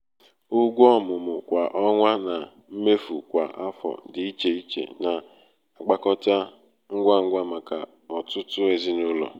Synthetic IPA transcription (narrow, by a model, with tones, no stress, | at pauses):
ʊ˦ɡʷɔ˦mʊ˨mʊ˨kʷa˨ʔɔ˦ŋʷa˦na˨ | m̩˦me˦fu˨kʷa̰˨ʔa˦fɔ̰˨dɪ˨i˦t͡ʃe˨i˦t͡ʃḛ˨na˨ | a˨ɡ͡ba˦kɔ˦ta˦ | ŋ̩˦ɡʷa˦ŋ̩˦ɡʷa˦ma˨ka˨ | ɔ˨tʊ˦tʊ˦e˨zi˦nʊ˦lɔ̰˨